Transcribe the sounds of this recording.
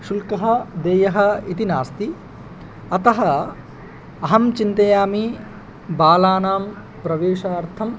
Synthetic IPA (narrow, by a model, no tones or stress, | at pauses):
ʃulkɐɦɐ̆d̪eːjɐɦɐ̆it̪inaːst̪i | ɐt̪ɐɦɐ | ɐɦɐmt͡ʃint̪ɐjaːmi | baːlaːnaːm | pɾɐʋeːʂaːɾt̪ʰɐm